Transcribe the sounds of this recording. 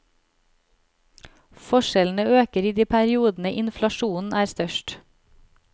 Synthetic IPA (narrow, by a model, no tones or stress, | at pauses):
fɔʃɛln̩əøːkəɾiːd̪iːpʰæɾɪuːd̪n̩əʔɪnflɑʃuːn̩æːɾst̪œʃʈ